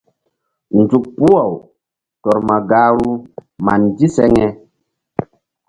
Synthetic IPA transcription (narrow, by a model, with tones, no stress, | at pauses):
nd͡zu˨k̚pu˦a˨w | tɔ˨ɾma˨ɡaː˦ɾu˦ma˨ndi˦sɛ˦ŋɛ˦